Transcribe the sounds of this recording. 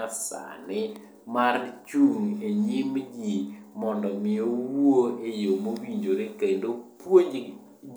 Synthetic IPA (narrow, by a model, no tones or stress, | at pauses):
asa̰nɪ | mart͡ʃuŋeɲimd͡ʒimɔndɔmɪowoejomowiɲd͡ʒoɾekendopwo